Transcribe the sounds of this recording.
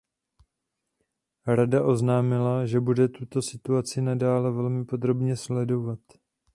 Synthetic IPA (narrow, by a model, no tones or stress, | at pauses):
ɾadaʔo̞znaːmɪlaʒɛbudɛt̪ut̪o̞sɪt̪uat͡sɪnadaːlɛvɛlmɪpo̞d̪ɾo̞bɲɛslɛdo̞vat̪